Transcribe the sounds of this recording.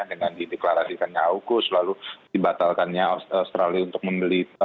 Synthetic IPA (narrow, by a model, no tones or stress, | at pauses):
dəŋandideklaɾasikanɲaauɡʊslaludibat̪alkanɲaasast̪ɾaliunt̪ʊk̚məmbəli